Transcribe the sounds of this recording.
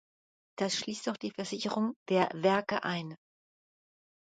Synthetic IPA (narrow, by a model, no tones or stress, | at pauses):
d̥asʃliːstd̥ɔxd̥iːfɛɐzɪçəʁʊŋd̥eːɐvɛɐkə̰ʔaɪn